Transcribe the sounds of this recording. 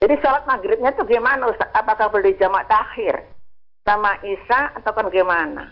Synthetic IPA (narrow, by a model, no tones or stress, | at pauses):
d͡ʒadisɔlat̪̚naɡɾɪp̪̚ɲat̪uɡɛjmanusaapakahbəldid͡ʒamaʔt̪ahɪr | samaʔisaat̪awkanaɡɛmana̰